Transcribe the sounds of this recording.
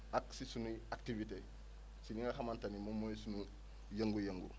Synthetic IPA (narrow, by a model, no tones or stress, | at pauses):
ʔaksisunuak̚tivite | siniŋɡaxamantanimomojsunu | jaŋɡujaŋɡṵ